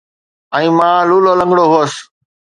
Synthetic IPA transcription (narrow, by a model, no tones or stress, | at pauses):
ə̃ĩːmãːluːloːlə̃ŋɡɽoːɦoːs